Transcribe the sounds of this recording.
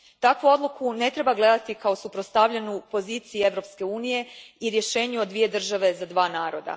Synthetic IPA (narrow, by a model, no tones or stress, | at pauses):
t̪akʋuo̞d̪lˠukʰune̞t̪ɾe̞baɡle̞d̪at̪ikaosupɾost̪aʋʎenupo̞ziːt̪siie̞ʋɾo̞pske̞uːnije̞iɾje̞ʃe̞ːɲuod̪ʋije̞d̪r̩ʒaʋe̞zad̪ʋaːnaːɾo̞d̪a̰